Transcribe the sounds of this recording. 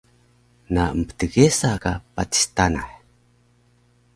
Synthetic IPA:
naəmpə̥təɡesakapa̰ti̥stanaħ

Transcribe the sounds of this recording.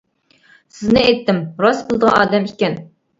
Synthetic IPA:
sɪznɪɛjt̪ːɪmɾɑsbɨlˠd̪əʁɑ̰nɑːd̪ɛmikʲɛn

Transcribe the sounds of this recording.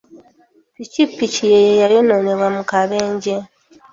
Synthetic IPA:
picipːicijejejajonone̞βwamukaβeːɲɟe

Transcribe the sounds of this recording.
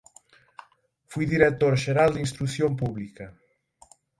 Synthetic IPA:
fujðiɾek̚t̪oɾʒeɾalˠd̪inst̪ɾusjomp̬uβlikɐ

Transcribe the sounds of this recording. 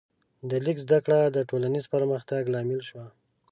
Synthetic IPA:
d̪əlikzd̪akɽad̪əʈolanizpəɾməxt̪aɡlɑmɪlʃwa

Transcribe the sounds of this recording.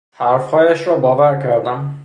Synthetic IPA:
hæɾfhɒːjæʃɾɒːbɒːvæɾcʰæɾd̪æm

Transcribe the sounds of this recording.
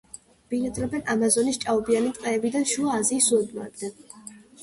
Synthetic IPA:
b̥inad̪ɾɔbɛnʔamazɔnist͡ʃʼaɔbianit̪ʼqʼɛːbid̪anʃuaːziːsːuɔd̪maɛb̚d̪an

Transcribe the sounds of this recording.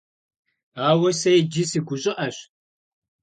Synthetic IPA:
aːwɐsɐjd͡ʒɪsiɡʷʊɕʼɪʔɐɕ

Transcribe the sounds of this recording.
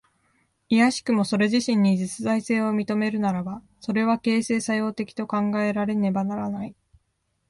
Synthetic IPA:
ijaɕi̥kɯ̟mo̞so̞ɾe̞ʑiɕĩɲ̟ːid͡ʑit͡sɨzaise̞ːo̞mʲit̪o̞me̞ɾɯ̟naɾaba | so̞ɾe̞β̞ake̞ːse̞ːsajo̞ːt̪e̞kʲi̥t̪o̞kãŋɡae̞ɾaɾe̞ne̞banaɾanai

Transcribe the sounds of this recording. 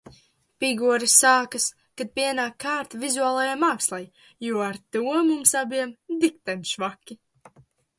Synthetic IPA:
pʲiɡuɔɾisːaːkas | kad̪̚piɛnaːkːaːɾt̪vizuaːlˠajamaːkslˠaj | juɔaɾt̪uɔmumsabiɛmd̪ik̚t̪ɛjmʃvakʲːi

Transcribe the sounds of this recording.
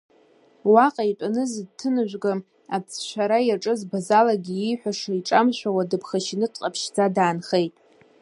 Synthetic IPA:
waqʼaitʷʼanɨzdtʰɨnɨʒᶣʷɡam | at͡sʰʃʷᶣaɾajaʈ͡ʂʼɨzbazalaɡʲiijħʷᶣaʂaiʈ͡ʂʼamʃʷᶣawadɨpʰχaʃinɨtʰʼqʼapʰʃd͡zadaːnχejtʼ

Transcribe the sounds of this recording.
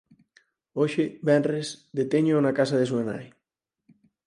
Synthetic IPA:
oʃeβɛnrezðet̪eɲonakasaðesuena̰j

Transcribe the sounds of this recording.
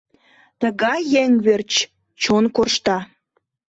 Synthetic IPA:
t̪əɣɑjːeŋβert͡ɕ | t͡ɕonkorʃt̪ɑ

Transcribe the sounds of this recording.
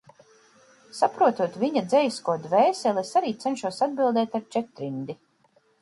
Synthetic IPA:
sapɾuɔt̪uɔt̪viɲad̪zɛjskuɔd̪vɛːsɛlˠesaɾiːt̪sɛnʃuɔsad̪̚bilˠd̪ɛːt̪aɾt͡ʃɛt̪ɾind̪i

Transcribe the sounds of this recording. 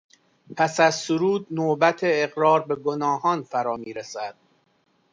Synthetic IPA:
pʰæsæzsoɾuːd̪̚noːbæt̪ʰeːɣɾɒːɾbe̞ɡonɒːhɒːnfæɾɒːmiːɾesæd̪̥̚

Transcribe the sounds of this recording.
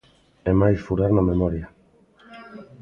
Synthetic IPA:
ɛmajsfuɾaɾnamemɔɾja

